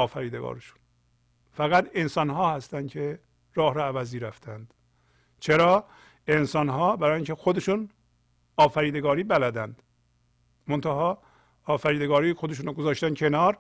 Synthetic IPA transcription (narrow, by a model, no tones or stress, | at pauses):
ɒːfæɾiːd̪eɡɒ̰ːɾeʃu̥n | fæɣæt̪ʰe̞nsɒnɦɒːhæst̪ænd̪kʰe | ɾɒːhɾɒævæziːɾæft̪ʰænd̪̥ | t͡ʃʰeɾɒː | ensɒnɦɒːbæɾɒːjiŋcʰexod̪e̞ʃun | ɒːfæɾiːd̪e̞ɡɒːɾiːbælæd̪ænd̪ | mont̪ʰæhɒː | fæɾiːd̪eɡɒːɾiːxod̪e̞ʃ̬uːnːɡozɒːʃt̪ænkʰe̞nɒːɾ